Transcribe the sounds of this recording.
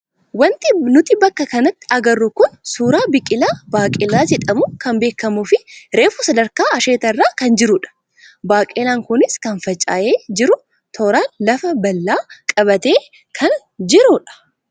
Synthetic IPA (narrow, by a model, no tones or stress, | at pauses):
wɐnt̪ɪnʊt̪ɪbɐkːɐkɐnɐt̪ːɪ̥ɐɡɐrːʊkʊnsuːɾaːbɪkʼːɪlaːbaːkʼɪlaːd͡ʒɛᶑɐmʊkɐmbe̞ːkːɐmʊfɪɾe̞ːfʊsɐd̪ɐɾkaːɐʃe̞ːt̪ɐrːaːkɐnd͡ʒɪɾʊᶑɐ̥ | baːkʼɪlaːŋkʊnɪskɐnfɐt͡ʃʼːa̰ːʔeːd͡ʒɪɾʊ | t̪ʰɔːɾaːnlɐfɐbɐlːaːkʼɐbɐt̪e̞ː | kʰɐn | d͡ʒɪɾʊᶑɐ̥